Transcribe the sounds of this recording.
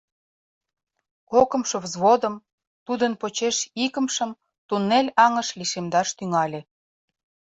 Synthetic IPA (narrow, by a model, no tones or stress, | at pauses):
kokə̆mʃovzβod̪ə̆m | t̪ud̪ənpot͡ɕeʃikə̆mʃə̆m | t̪unːelʲɑŋəʃliʃemd̪ɑʃt̪yŋɑlʲĕ